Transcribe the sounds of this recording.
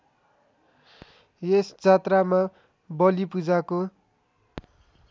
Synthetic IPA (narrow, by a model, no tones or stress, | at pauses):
jesd͡zat̪rama | bʌlipud͡zako